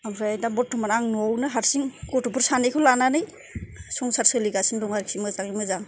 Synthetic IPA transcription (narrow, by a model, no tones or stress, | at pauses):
abɾajdambɔt̚ʰumanaŋnuawnɯɦaɾsiŋkɔtɔpʰɯɾsanekʰɯlananɯj | sɔŋsʰaɾsɯliɡasiŋdɔŋaɾikʰsimɯzaŋimɯzaŋ